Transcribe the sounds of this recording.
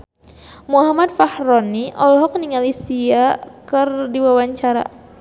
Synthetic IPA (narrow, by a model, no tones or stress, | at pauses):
muɦamat̪̚fahɾɔniʔɔlɦɔk̚niŋalisiakɨrdiwawaɲt͡ʃaɾa̰